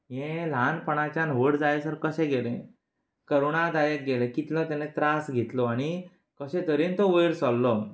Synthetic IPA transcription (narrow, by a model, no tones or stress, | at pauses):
jẽlanpəɳ̃at͡ɕjanʋəɽd͡zajesəɾkəɕɛ̃ɡelḛ̃ | kəɾuɳad̪ajek̪̚ɡelẽkit̪lət̪ɛnet̪ɾasɡʱɛt̪lɔaɽ̃i | kəɕɛ̃t̪əɾint̪ɔʋəjɾsɔlːɔ